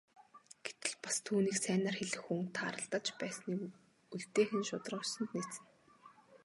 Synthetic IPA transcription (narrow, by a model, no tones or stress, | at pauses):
ɡ̥et̪ɘ̆ɮpḁst̪ʰuːniːksæːnaːrxeɮɘ̆xːuŋt̪ʰaːɾə̆ɬt̪ə̆t͡ɕpæːsniː | uɮt̪eːxɘ̆nʃʊt̪rʊːsə̆nt̪niːt͡sɘ̆n